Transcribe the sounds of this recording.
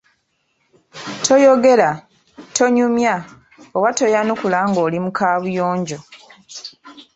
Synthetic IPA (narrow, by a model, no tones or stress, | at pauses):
tʰo̞jo̞ɡe̞la | tʰo̞ɲumja | oβato̞janukulaŋɡo̞ːlimukaːβujoːɲɟo̞